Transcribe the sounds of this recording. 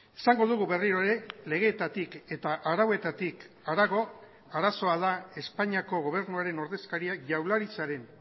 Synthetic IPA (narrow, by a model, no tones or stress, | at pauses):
esaŋɡo̞ðuɣuβe̞riɾo̞ɾe̞le̞ɣ̞e̞ːt̪at̪ike̞t̪aʔaɾawe̞t̪at̪ik | aɾaɣ̞o̞ | aɾaso̞aðae̞spaɲiako̞ɣ̞o̞β̞e̞ɾnuaɾe̞no̞ɾðe̞skaɾiakʝawlaɾit͡saɾe̞n